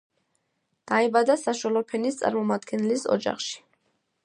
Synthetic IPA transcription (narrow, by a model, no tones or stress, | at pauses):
d̪̥aɛbad̪asaʃwalˠɔpʰɛnist̪sʼa̰ɾmɔmad̪ɡɛnɛlisɔ̰d͡ʒa̰χʃi̥